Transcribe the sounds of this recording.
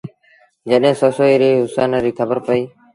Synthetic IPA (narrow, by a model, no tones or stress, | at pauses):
d͡ʒəɗɦẽːsoːsoːiːɾeːɦʊsaːnəɾiːkʰəbəɾpəiː